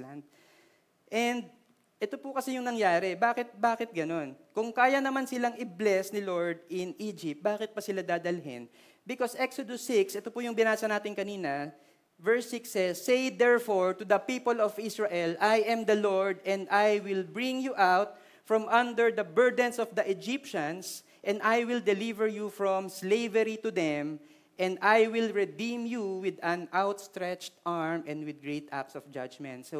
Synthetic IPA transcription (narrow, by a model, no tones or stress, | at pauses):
land̪̚ | ʔɛnd̪̚ | ʔɛt̪opʊkɐsɛjʊŋnɐŋjaːɾɛbaːkɪt̪̚baːkɪt̪̚ɡɐno̞nkʊŋkaːjɐnɐmansɪlaŋɪblɛsnɪloɹd̪̚ɪniːd͡ʒɪp̚t̪̚baːkɪt̪̚bɐsɪlad̪aːd̪ɐlɦɪ̰n | bɪkosʔɛksod̪osɪksʔɛt̪opʊjʊŋbɪnaːsɐnaːt̪ɪnkɐniːnɐ | vɛɹsɪksːɛsːejd̪ɛɹfoɹt̪ʊd̪ɐpiːpolɔvɪsɹaʔɛlajʔɛ̃md̪ɐloɹd̪ɛ̃nd̪ajwɪlbɹɪ̃ŋjuʔawt̪̚ | fɹɔmʔɐ̃nd̪ɛɹd̪ɐbɛɹd̪ɛ̃nsɔfd̪ɐʔɛd͡ʒɪpʃɐ̃ns | ʔɛ̃nd̪ajwɪld̪ɛlivɛɹjufɹɔ̃mslejvɛɾit̪ʊd̪ɛm | ʔɛ̃nd̪ajwɪlɹɛd̪ĩmjuwɪd̪ɐ̃nawt̪st̪ɹɛt͡ʃt̪ʔaɹmʔɛ̃nd̪wɪd̪̚ɡɹet̪a̰psɔfd͡ʒa̰d͡ʒmɛ̰̃nt̪so